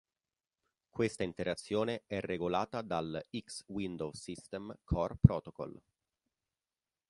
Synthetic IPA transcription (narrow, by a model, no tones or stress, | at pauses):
kwest̪aint̪eɾat̪sːjoːneɛrːeɡolaːt̪ad̪alikswind̪owsist̪ɛmkʰɔrpɾɔːt̪okɔ̰l